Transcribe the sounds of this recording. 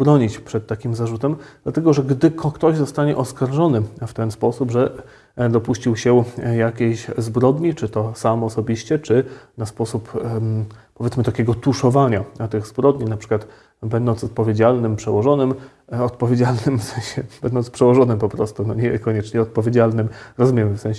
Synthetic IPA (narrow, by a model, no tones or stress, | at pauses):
bɾɔɲit͡ɕpʂɛt̪tːakʲimzaʐut̪ɛmd̪̥lat̪ɛɡɔʐɛɡd̪ɘkʰkt̪ɔʑzɔst̪aɲɛʔɔskaɾʐɔnɘft̪ɛnspɔsubʐɛ | d̪ɔpuɕt͡ɕiwɕɛjakʲeɕzbɾɔd̪ɲit͡ʂɘt̪ɔsamɔsɔbʲiɕt͡ɕɛt͡ʂɘnaspɔsup | pɔvʲjɛt̪mɘt̪akʲeɡɔt̪uʂɔvaɲat̪ɘɣzbɾɔd̪ɲinapʂɘkwat̪ | bɛnd̪ɔnt̪sɔt̪̚pɔvʲjed͡ʑalnɘmpʂɛwɔʐɔnɘm | ɔt̪̚pɔvʲjed͡ʑalnɘmfsɛ̃j̃ɕɛb̥ɛnd̪ɔnspʂɛwɔʐɔnɘmpɔpɾɔst̪unɔɲɛkɔɲɛt͡ʂɲɛɔt̪̚pɔvʲjed͡ʑalnɘmɾɔzumʲɛmɘfsɛ̃ɕ